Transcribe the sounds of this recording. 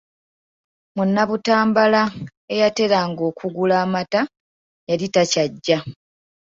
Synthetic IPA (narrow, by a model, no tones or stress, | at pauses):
munːaβutaːmbala | e̞jate̞ɾaːŋɡo̞ːkuɡulaːmata | jalitacaɟːa